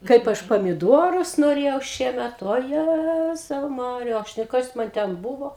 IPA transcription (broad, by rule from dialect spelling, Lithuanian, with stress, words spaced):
ˈkɐɪp ˈɐʃ pɐmʲɪˈduɔrʊs noːˈrʲeːjɛʊ ˈʃʲiɛmʲɛt oːˈjæzɐʊ ˈmɑːrʲɪjɛ ˈɐʃ nʊ ˈkɐs ˈmɐn ˈtʲɛn ˈbuːʋoː